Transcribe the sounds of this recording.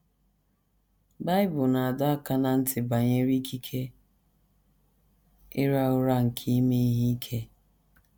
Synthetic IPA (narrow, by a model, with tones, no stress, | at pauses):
ba˦ɪ˦bʊ˨na˨a˨da˦a˦ka˦na˨n̩˦tɪ˨ba˨ɲe˦ɾi˦kʰi˦kʰe˦ | ɪ˦ɾa˦ʊ˦ɾa˦ŋ̩˨kʰi˦me˦ɦi˦i˦kʰe˦